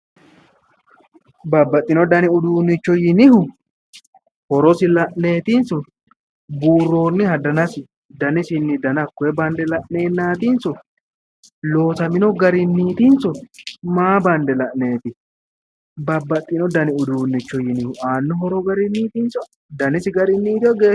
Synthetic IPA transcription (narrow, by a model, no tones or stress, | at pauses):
bɐbːɐt̪ʼːɪnɔd̪ɐnɪʊd̪uːnːɪt͡ʃːɔjɪnɪhʊ | hɔɾɔsɪlɐʔne̞ːt̪ɪnsɔ | buːrːo̞ːnːɪhɐd̪ɐnɐsɪ | d̪ɐnɪsɪnːɪd̪ɐnɐkːɔɛbɐnd̪ɛlɐʔne̞ːnːaːt̪ɪnsɔ | lo̞ːsɐmɪnɔɡɐɾɪnːiːt̪ɪnsɔmaːbɐnd̪ɛlɐʔneːt̪ɪ | bɐbːɐt̪ʼːɪnɔd̪ɐnɪʊd̪uːnːɪt͡ʃːɔjɪnɪhʊaːnːɔɦɔɾɔɡɐɾɪniːt̪ɪnsɔ | d̪ɐnɪsɪɡɐɾɪnːiːt̪ɪɔɡeː